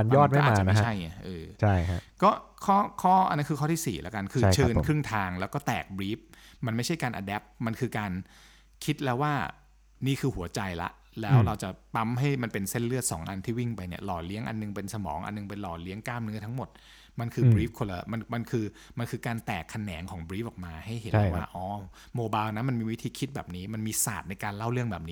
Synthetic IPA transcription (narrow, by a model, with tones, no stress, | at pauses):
a˧njɔː˥˩t̪̚ma˥˩jmaː˧a˧a˦t͡ɕʰa˥˩jʔɤː˧t͡ɕʰa˥˩ja˦kɔː˥˩kʰɔː˥˩kʰɔː˥˩ʔa̰˧nːa˦˥nkʰɯː˧kʰːt̪ʰiː˥˩sḭː˨˩la̰˦˥ka˧nkʰɯː˧˦t͡ɕʰɤː˧nkʰɾɯ˥˩ŋt̪ʰaː˧ŋlɛː˦˥wkɔː˥˩t̪ɛ̰ː˨˩k̚bɾiː˦˥p̚ | ma˧nma˥˩jt͡ɕʰa˥˩jkaː˧nʔa̰˧dɛː˦˥p̚ma˧nkʰɯː˧kaː˧n | kʰi˦˥t̪̚lɛː˦˥waː˥˩ | niː˥˩kʰɯː˧hu˩˦ɐt͡ɕa˧jla̰˦˥ʔ | lɛː˦˥wɾa˧wt͡ɕa˨˩p̪a˦˥mɦa˥˩jma˧npe˧nse˥˩nlɯ˥˩ət̪̚sɔ̰ː˩˦ŋʔa˧nt̪ʰiː˥˩wi˥˩ŋpa˧jni˦˥˩ɐlɔː˨˩li˦˥əŋʔa̰˧nːɯ˨ŋpe˧nsa˧mɔ̰ː˩˦ŋʔa̰˧nːɯ˨˩ŋpa˧jlɔː˨˩li˦˥əŋkaː˥˩mnɯ˦˥ɐt̪ʰa˦˥ŋmo˨˩t̪̚ | ma˧nkʰɯː˧bɾiː˦˥p̚kʰo˧laː˧˩ma˧nma˧nkʰɯː˧ | ma˧nkʰɯː˧kaː˧nt̪ɛː˨˩kʰːa˧nɛː˩˦ŋkʰɔː˩˦ŋbɾiː˦˥p̚ʔɔː˨˩k̚maː˧ha˥˩jhe˨˦˥waː˥˩ʔɔː˨˦ | moː˧baː˧wna˦˥nma˧nmiː˧wi˦˥t̪ʰiː˧kʰi˦t̪̚bɛː˨˩p̚niː˦˥ma˧nmiː˧saː˨˩t̪̚na˧jkaː˧nla˥˩wɾɯ˥˩əŋbɛː˨˩p̚niː˦˥